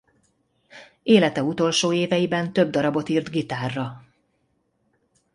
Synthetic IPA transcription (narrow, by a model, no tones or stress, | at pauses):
eːlɛt̪ɛut̪o̞lʃoːeːvɛjibɛnt̪ø̞b̚d̪ɒɾɒbo̞t̪iːrt̪ɡit̪aːrːɒ